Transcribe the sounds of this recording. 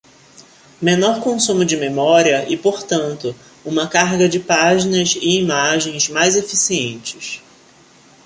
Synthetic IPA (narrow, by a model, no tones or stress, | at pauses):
menɔɾkõsũmʊd͡ʒɪmemɔɾiɐʔɪpoɾt̪ɐ̃nt̪ʊ | ũmɐkaɾɡɐd͡ʒɪpaʒinɐzɪimaʒẽj̃zmajzefisiẽnt͡ʃɪs